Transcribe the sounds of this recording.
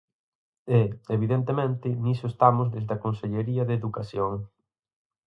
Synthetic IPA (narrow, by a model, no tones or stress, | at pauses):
ɛeβiðent̪emẽnt̪ɪnisoest̪amʊzðezðɐkonseʎeɾiɐðeðukasjoŋ